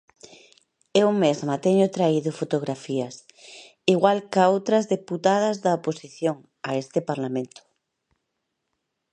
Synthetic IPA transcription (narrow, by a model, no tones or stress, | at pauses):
ewmezmɐt̪ɛɲʊt̪ɾaiðʊfot̪oɣ̞ɾafiɐs | iɣwalkaowt̪ɾɐzðeput̪aðɐzðɐoposiθjoŋ | aest̪ɪpaɾlamẽnt̪ʊ̥